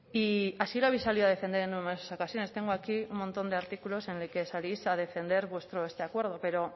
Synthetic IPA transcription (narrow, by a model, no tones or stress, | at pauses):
iasiloaβejsːaliðoað̞e̞fe̞nd̪ee̞numeosaso̞kasjo̞ne̞st̪e̞ŋɡoakiummõnt̪o̞nd̪e̞aɾt̪ikulo̞se̞neke̞salijsað̞e̞fe̞nd̪e̞ɾβwe̞st̪ɾo̞e̞st̪e̞akwe̞ɾð̞o̞pe̞ɾo̞